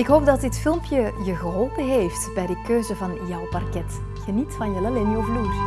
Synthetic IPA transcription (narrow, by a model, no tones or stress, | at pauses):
ɪkɦoːp̚dɑtdɪtfɪlˠmpjəjəɣəɦɔlˠpənɦeːftbɛjdəkøːzəvɑnjɔwpɑrkɛt | ɣənitfɑnjəlɛlɪnɔvluː